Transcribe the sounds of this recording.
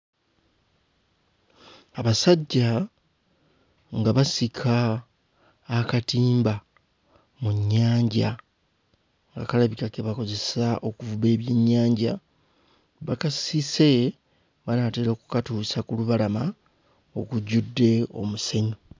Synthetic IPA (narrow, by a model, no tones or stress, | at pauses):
aβasaɟːa | ŋɡaβasikʰa | katiːmba | muɲːaːɲɟa | ŋɡakalaβikake̞βako̞ze̞saʔo̞kuvuβe̞ːβje̞ɲːaːɲɟa | βakasise̞ | βanateɾokukatuːsakuluβalama | okuɟudːe̞o̞̰muse̞ɲo